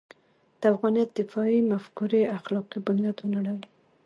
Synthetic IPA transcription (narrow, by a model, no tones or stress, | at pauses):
d̪̥əafɣɑnijat̪ːɪfɑimafkuɾeaxlɑqibanjad̪wənaɽəw